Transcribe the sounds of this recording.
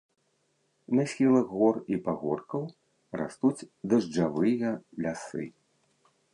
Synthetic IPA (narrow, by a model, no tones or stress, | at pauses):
nɐsʲxʲilˠɐɣɣɔripaɣɔrkɐw | ra̰st̪ut͡sʲd̪ɐʐd͡ʐavɨjɐlʲasɨ̰